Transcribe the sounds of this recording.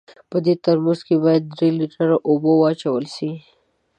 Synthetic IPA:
pəd̪et̪aɾmuzkebɑjad̪ːɾeliʈəɾaʔobowɑt͡ʃawəlʃi

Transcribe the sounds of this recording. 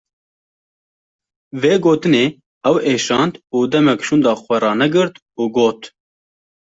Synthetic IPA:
veːɡoːt̪ɨneː | ɛweːʃɑːnd̪uːd̪ɛmɛkʃuːnd̪ɑːxʷɛɾɑːnɛɡɨɾt̪ | uːɡoːt̪

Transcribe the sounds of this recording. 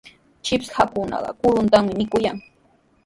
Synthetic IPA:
t͡ʃɪpshakʊnɑ̰ɢɑ̰kʊɾʊnt̪amɪmɪkʊjaŋ

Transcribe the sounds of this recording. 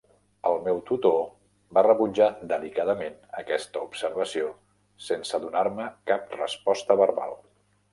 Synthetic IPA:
əlˠmɛwt̪ut̪o | barəβud͡ʒad̪əlikaðəmenəkɛst̪əupsəɾβəsio | sensəðunaɾməkap̚rəspɔst̪əβərβa̰lˠ

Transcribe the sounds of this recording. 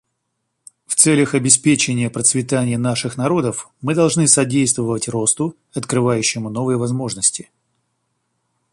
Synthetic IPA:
ft̪sɛlʲəxɐbʲɪspʲet͡ɕɪnʲɪjəpɾət̪svʲɪt̪anʲɪjənaʂɨxnɐɾo̞d̪əf | mɨd̪ɐlˠʐnɨsɐdʲejst̪vəvətʲro̞st̪ʊ | ɐt̪kɾɨvajʉɕːɪmʊno̞vɨjəvɐzmo̞ʐnəsʲtʲɪ

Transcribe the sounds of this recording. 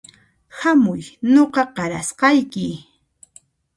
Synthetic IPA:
hamʊjnoqɑqɑɾasqɑjkɪ

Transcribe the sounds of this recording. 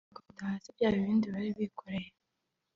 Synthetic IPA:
ɡaβutahasivjaːjiβiːndiβaɾiβikʰoɾe̞je

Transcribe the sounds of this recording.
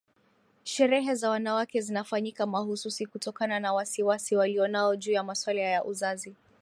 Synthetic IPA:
ʃɛɾɛɦɛzawanawakɛzinafaɲikamahususikutɔkananawasiwasiwaliɔnaɔʄuːjamaswalajaʔuzazi

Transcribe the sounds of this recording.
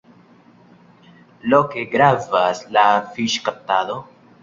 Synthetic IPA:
lokeɡɾavaslafiʃkap̚tado

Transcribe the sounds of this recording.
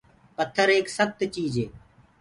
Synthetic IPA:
pət̪ʰːəɾeːksəx̚t̪t͡ʃiːd͡ʒeː

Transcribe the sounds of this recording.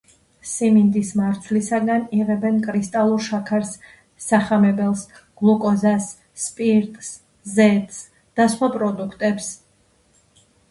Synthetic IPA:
simind̪ismaɾt̪sʰvlisaɡaniʁɛbɛnkʼɾist̪ʼalˠuɾʃakʰaɾsː | aχamɛbɛlˠs | ɡ̥lˠukʼɔzasː | pʼiɾt̪ʼs | zɛt̪ʼs | d̪̥asχwapʼɾɔd̪ukʰt̪ʼɛps

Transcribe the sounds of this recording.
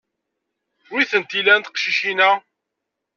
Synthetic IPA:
wɾiθənt̪ilænt̪ə̥qʃiʃinæ

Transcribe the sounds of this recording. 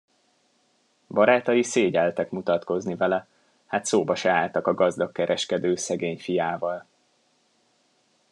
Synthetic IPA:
bɒɾaːt̪ɒjiseːɟɛlt̪ɛkmut̪ɒt̪ko̞znivɛlɛ | haːt̪soːbɒʃɛaːlt̪ɒkɒɡɒzd̪ɒkkːɛɾʔɛʃkɛd̪øːsɛɡeːɲfijaːvɒl

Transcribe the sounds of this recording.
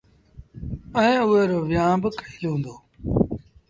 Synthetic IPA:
əɦẽːʊɦeːɾoːʋjãːbəkʰəiːlõːnd̪oː

